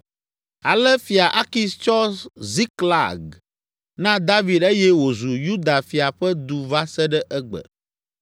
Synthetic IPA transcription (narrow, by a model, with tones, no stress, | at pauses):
a˨lɛ˦fi˨a˨ʔa˦ki˦st͡ʃɔ˦szi˦kla̰˨ɡ | nã˦d̪a˦vi˨d̪e˦jɛ˦wo˨zu˨ju˦d̪a˨fi˨a˨ɸɛ˦d̪u˨va˦sɛ˦ɖɛ˦ʔɛ˦ɡ͡bɛ̰˨